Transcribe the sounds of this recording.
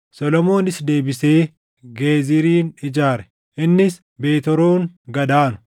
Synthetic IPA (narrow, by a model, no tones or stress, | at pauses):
sɔlɔmo̞ːnɪsd̪e̞ːbɪse̞ː | ɡeːzɪɾiːnɪd͡ʒaːɾɛ̥ | ʔɪnːɪs | be̞ːt̪ɔɾoːŋɡɐd̪aːnʊ̥